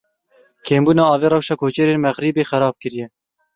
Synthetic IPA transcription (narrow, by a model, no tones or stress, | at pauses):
kʰeːmbuːnɑːɑːveːɾɛwʃɑːkʰoːt͡ʃɛɾeːnmɛɣɾiːbeːxɛɾɑːb̚kɨɾijɛ